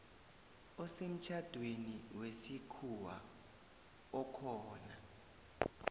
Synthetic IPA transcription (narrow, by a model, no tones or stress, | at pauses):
ɔsem̩t͡ʃʰad̥ʱweniwesikʰuwa̰ | ɔkʰɔːna